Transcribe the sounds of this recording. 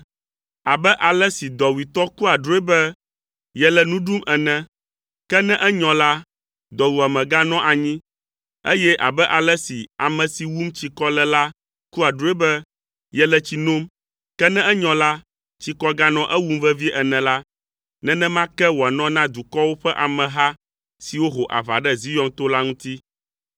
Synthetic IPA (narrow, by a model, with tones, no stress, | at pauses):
a˨bɛ˦ʔa˨lɛ˦si˨d̪ɔ˨wi˨t̪ɔ˦ku˦a˨ɖɾo˦e˦bɛ˦ | jɛ˨lɛ˨nũ˦ɖu˦mɛ˨nɛ̃˦ | kɛ˦nɛ̃˦ʔɛ˦ɲɔ̃˨la˦ | d̪ɔ˨wu˨a˨mɛ̃˨ɡa˦nɔ̃˦ʔa˨ɲĩ˦ | e˦jɛ˦ʔa̰˨bɛ˦ʔa˨lɛ˦si˨a̰˨mɛ̃˨si˨wu˦mt͡ɕi˨kɔ˦lɛ˨la˦ | ku˦a˨ɖu˦e˦bɛ˦ | jɛ˦lɛ˨t͡ɕi˨nõ˦m | kɛ˦nɛ̃˦ʔɛ˦ɲɔ̃˨la˦ | t͡ɕi˨kɔ˦ɡa˦nɔ̃˦ʔɛ˦wu˦m˦vɛ˦vi˦ʔɛ˨nɛ̃˨la˦ | nɛ̃˦nɛ̃˦mã˦kɛ˦wo˨a˨nɔ̃˦nã˦d̪u˨kɔ˦wo˦ɸɛ˦ʔa˨mɛ̃˨ɦa˦ | si˨wo˦ɦo˨ʔa̰˨va̰˨ɖɛ˦zi˦jɔ˦ŋt̪o˦la˦ŋũ˦t̪i˦